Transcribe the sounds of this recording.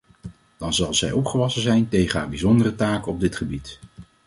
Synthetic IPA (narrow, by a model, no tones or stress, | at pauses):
d̥ɑnzɑlˠzɛjɔpχəʋɑsənzɛjntejχənɦa̰ːɹbizɔndərətaːkɔb̚dɪtχəbit